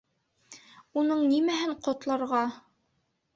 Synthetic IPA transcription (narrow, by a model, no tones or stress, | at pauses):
unɤɴnimæɦɘɴqŏt̪lˠɑɾʁɑ